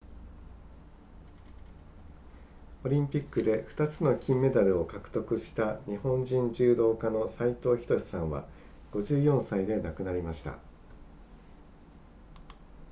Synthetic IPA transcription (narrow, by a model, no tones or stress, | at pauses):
o̞ɾʲĩmpʲikːɯ̟d̪e̞ɸɯ̟̥t̪at͡sɨno̞kʲĩmːe̞d̪aɾɯ̟o̞kakɯ̟̥t̪o̞kɯ̟ɕi̥t̪aɲ̟ihõ̞ɲd͡ʑĩɲd͡ʑɨːd̪o̞ːkano̞sait̪o̞ːçi̥t̪o̞ɕi̥sãɰ̃βa̰ | ɡ̥o̞ʑɨːjõ̞ɰ̃said̪e̞nakɯ̟naɾʲimaɕi̥t̪a̰